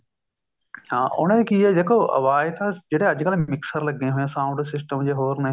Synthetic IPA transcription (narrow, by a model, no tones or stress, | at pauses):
hãːʔʊ̰ɽ̃ẽkiɛd͡ʒeːkoːɐ̰ʋaːɪt̪ad͡ʒeːɽeɐd͡ʒkəlmɪksəɾlɐɡẽɦʊjãːsãʊ̃ɳɖsɪs̬ʈəmd͡ʒeɦoːɾnɐ